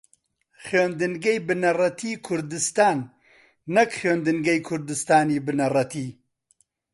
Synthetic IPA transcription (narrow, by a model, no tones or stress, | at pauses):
χoːnd̪ɨnɡɛjbɨnɐrɐt̪ʰiːkʰʊɾd̪ɨst̪aːnː | ɐkχoːnd̪ɨnɡɐjkʰʊɾd̪ɨst̪aːniːbɨnɐrɐt̪ʰiː